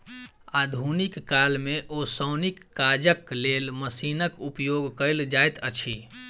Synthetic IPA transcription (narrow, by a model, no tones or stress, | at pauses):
ad̪ʱunikːalmeʔosəwnikːad͡ʒəklelməsinəkupjoɡkəjld͡ʒajt̪ət͡ʃʰi